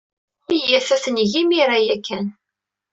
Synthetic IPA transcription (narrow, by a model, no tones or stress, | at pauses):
ijæθæθənʝimiɾajækːæn